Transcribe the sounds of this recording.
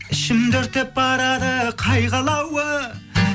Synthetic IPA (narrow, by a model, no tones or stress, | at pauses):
ɪʃɪmd̪ʏɾt̪ɪp̚ːɑɾɑɾəqʰɑjʁɑlˠɑwə